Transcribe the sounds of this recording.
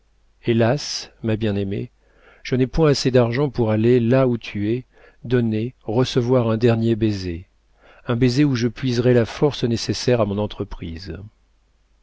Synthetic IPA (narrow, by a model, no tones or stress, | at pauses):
elasmabjɛ̃nemḛ | ʒ̥ənɛpwɛ̃ased̪aʁʒɑ̃puʁalelaut̪ʰyɛ | d̪ɔneʁəsəvwaʁɛ̃d̪ɛʁnjebeze | ɛ̃bezeuʒəpɥizʁɛlafɔʁsnesesɛʁamɔ̃nɑ̃t̪χəpχiz